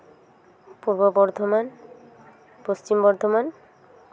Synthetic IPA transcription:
puɾbobɔɾd̪ʱoman | post͡ɕimbɔɾd̪ʱoman

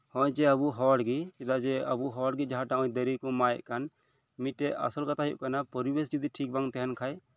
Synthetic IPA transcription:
hɔ̃jd͡ʒɛəbuɦɔɽɡikɛd̪ad͡ʒɛəbuɦɔɽɡid͡ʒaɦãʈaɔ̃jd̪əɾikɔmajɛ̰ʔkan | miɛʔa̰sɔlkat̪aɦijṵʔkanapɔɾibes̬d͡ʒud̪iʈʰik̚baŋt̪ɛɦɛnkʰaj

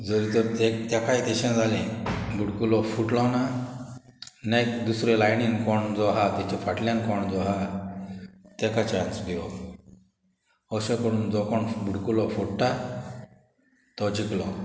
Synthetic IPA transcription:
d͡zəɾit̪əɾt̪ekt̪jakajt̪eɕãd͡zʱalĩbuɽkulɔfuʈlɔna | nakd̪usɾelajninkɔɳd͡zɔɦat̪jat͡ɕifaʈljãnkɔɳd͡zɔɦa | t̪ɛkat͡ɕãnsɡʱeɔ | əɕẽkəɽuːnd͡zɔkɔɳbuɽkulɔfuɽʈa | t̪ɔd͡ʑiklɔ

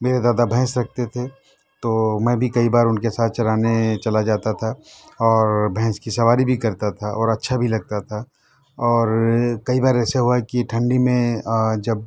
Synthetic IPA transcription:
meːɾed̪aːd̪abʱɛ̃ːsɾɐk̚ʰt̪et̪ʰe | t̪omɛ̃ːbʱikɐibaːɾʊnkesaːt̪̚ʰt͡ʃɐɾaːnet͡ʃɐlad͡ʒaːt̪at̪ʰaɔːɾbʱɛ̃ːskisɐʋaːɾibʱikɐɾt̪at̪ʰaʔɔːɾɐtːʃʰabʱilɐɡ̚t̪at̪ʰa | ɔːɾkɐibaːɾɛːseɦuakiʈʰɐ̃ɳɖimẽd͡ʒɐb̚

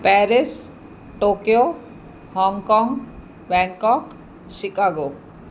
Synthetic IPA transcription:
pɛɾis | ʈokio | hɔŋkɔŋ | bɛŋkɔk | ʃikaɡo

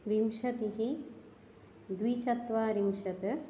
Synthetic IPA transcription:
ɾimʃɐt̪iɦi | d̪wit͡ʃɐt̪ʋaːɾimʃɐt̪ɐ

